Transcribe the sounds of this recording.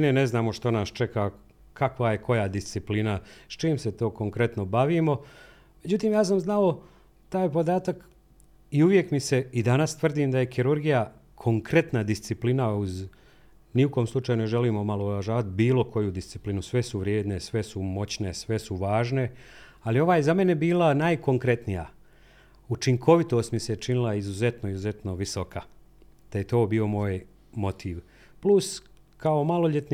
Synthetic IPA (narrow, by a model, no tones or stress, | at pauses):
neneznaːmo̞ʃt̪o̞naːst͡ʃe̞ka | kʰakʋaje̞ko̞jad̪ist̪siplinast͡ʃiːmset̪o̞ːko̞ŋkɾe̞t̪no̞baʋimo̞ | me̞d͡ʑut̪iːmjaːs̬amznao | t̪aːjpo̞d̪aːt̪ak | iuʋje̞kmise̞id̪anast̪ʋr̩d̪imd̪aje̞xiɾuɾɡija | kʰo̞ŋkɾe̞t̪nad̪ist̪siplinauz | niukoːmslˠut͡ʃaːjune̞ʒe̞liːmomaloɾaʒaːʋat̪̚biːlˠo̞kʰo̞jud̪ist̪si̥plinusʋe̞suʋɾje̞ːd̪ne̞sʋe̞sumo̞t͡ɕne̞sʋe̞suʋaːʒne̞ | alio̞ʋaːjezame̞ne̞biːlˠanajkʰo̞ŋkɾe̞t̪nija̰ | ut͡ʃiŋkʰo̞ʋit̪o̞ːst̪miset͡ʃinilˠaizuze̞t̪no̞izuze̞t̪no̞ʋiso̞ka | d̪̥aje̞t̪o̞ːbio̞mo̞ːj | mo̞t̪ʰiːʋ | plus | kao̞malˠo̞ʎe̞t̪n